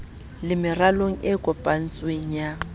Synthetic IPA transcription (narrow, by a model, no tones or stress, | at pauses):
lɪmɪraloŋ̩ɪkʼɔpʼan̩t͡sʼweŋ̩ja